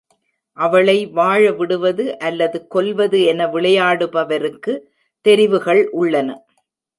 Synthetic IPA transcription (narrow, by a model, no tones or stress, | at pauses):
ʔɐʋɐɭɐɪʋaːɻɐʋɪɽɯʋɐðɯʔɐlːɐðɯkɔlʋɐðɯɛnɐʋɪɭɐjaːɽɯpɐʋɐɾɯkːɯ | t̪ɛɾɪʋɯɣɐɭʔʊɭːɐnɐ